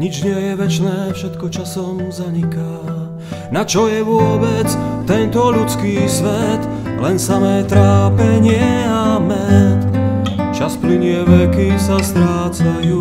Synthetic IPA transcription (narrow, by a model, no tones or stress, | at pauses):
ɲid͡ʒɲɪɛjɛʋɛt͡ʃnɛːfʃɛt̪kɔt͡ʃasɔmzaɲika | nat͡ʃɔjɛʋʊɔbɛt͡st̪ɛnt̪ɔʎut͡skiːsʋɛt̪lɛnsamɛːt̪ɾaːpɛɲɪɛamɛt̪t͡ʃaspliɲɪɛʋɛkisast̪ɾaːt͡sajuː